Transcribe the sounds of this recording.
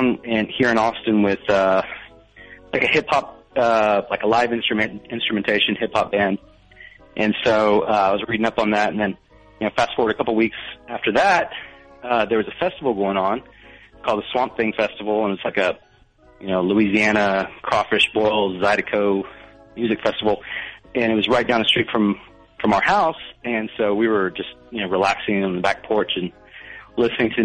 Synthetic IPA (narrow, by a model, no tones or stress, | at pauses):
nɨ̃nhiɹɨ̃nɔstɨ̃nwɪð̥ʌ | laɪkɨhɪphɑp̚ | ʌlaɪkəlaɪvɪ̃nstɹ̥ɨmɨ̃nɪ̃nstɹ̥ɨmɨ̃ntʰeɪʃɨ̃nhɪphɑp̚b̥æ̃nd̥ | ʔɨ̃nsoʊʌaɪwʌzɹiɾɪ̃ŋʌpn̩ðætn̩ðɨ̃n | jɨnoʊfæstfɔɹwəɾɨkʰʌpl̩ˠwiksæftə˞ðæt̚ʌðə˞wʌzɨfɛstəvl̩ˠɡoʊɪ̃ŋə̃nkʰɔlˠd̪̚əswɑ̃mθɪ̃ŋfɛstəvl̩ˠə̃nɨt̚wʌz̥laɪkɨ | jɨnoʊluiziæɾ̃əkʰɹ̥ɑfɨʃwɔlˠzaɪɾɨkʰoʊmjʉzɨkfɛstəvl̩ˠɨ̃ñɨt̚wʌzɹaɪt̚dãnðɨstɹ̥itfɹʌ̃m | fɹʌ̃maʊə˞haʊsɨ̃nsoʊwiwə˞d͡ʒʌst̚jɨnoʊɹilæksɪ̃ŋɨ̃n̩ðəbæk̚pʰɔɹt͡ʃɨ̃n | lɪsnɪ̃ŋtʰɨ